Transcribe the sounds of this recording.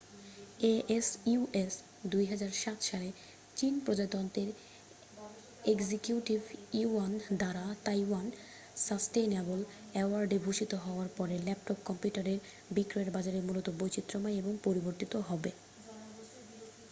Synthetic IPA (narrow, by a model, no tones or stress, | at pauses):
eʔesuuʔes | d̪ujɦad͡ʑaɾʃat̪ʃale | t͡ɕinpɾod͡ʑad̪ɔnt̪eɾ | eɡzikjuʈibʱiand̪aɾat̪ajwan | sasʈejnabol | ɛoaɾɖeɡʱuʃit̪oɦɔoaɾpɔɾelɛp̚ʈɔp̚kɔmpjuʈaɾeɾ | bikɾoeɾbad͡ʑaɾeɾmulot̪obojt͡ɕit̪ːɾomajeboŋpoɾiboɾt̪it̪oɦɔbe